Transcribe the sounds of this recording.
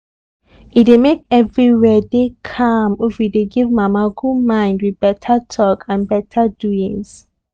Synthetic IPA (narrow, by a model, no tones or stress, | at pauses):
idemekɛvɹiwɛdekʰãmifideɡivmamaɡumãɪ̃ndwiðbɛtʰətʰɔkãnbɛtʰəduĩŋs